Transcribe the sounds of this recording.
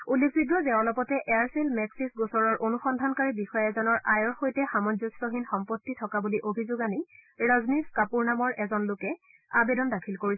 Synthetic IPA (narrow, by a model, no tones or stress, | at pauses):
ulːekʰbiɡɹɔzɛɔlɔpɔtɛʔɛaɹsilmɛksisɡosɔɹɔɹʔonuxɔndʱankaɹibixɔjɛzɔnɔɹʔajɔɹxojtɛxamɔnzɔstɔɦinxɔmpotːitʰɔkabuliʔobʱizʊɡaniɹɔzniskapuɹnamɔɹʔɛzɔnlʊkɛ | abedɔndakʰilkoɹis